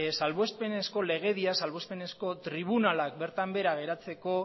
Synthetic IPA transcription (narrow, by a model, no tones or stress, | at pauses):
salβoespe̞ne̞sko̞le̞ɣ̞e̞ðiasalβospe̞ne̞sko̞t̪ɾiβ̞unalak̚be̞ɾt̪ambe̞ɾaɣ̞e̞ɾat͡se̞ko̞